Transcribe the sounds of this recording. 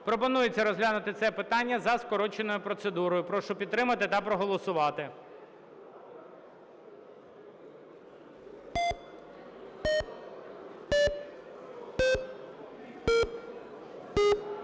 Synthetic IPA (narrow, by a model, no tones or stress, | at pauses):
pɾɔpɔnujet͡sʲːɐɾɔzɦlʲanʊt̪ɪt̪sɛpɪt̪ɑnʲːɐzɐskɔɾɔt͡ʃenɔjʊpɾɔt̪sed̪uɾɔjʊpɾɔʃʊpʲid̪̚t̪ːɾɪmɐt̪ɪt̪ɐpɾɔɦɔlˠɔsʊʋɑt̪ɪ